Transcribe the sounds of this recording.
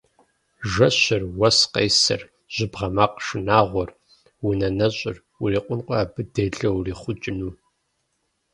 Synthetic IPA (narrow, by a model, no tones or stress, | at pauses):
ʒɐɕɐrwɐsqḛjsɐ̰r | ʑ̥ɪbʁɐmaːqʂɨnaːʁʷɔr | wʊnɐnɐɕʼɪr | wʊriːqʷʼʊnqʷʼɔaːbɨdeːɮɐwriːχʷʊt͡ʃʼɪnuː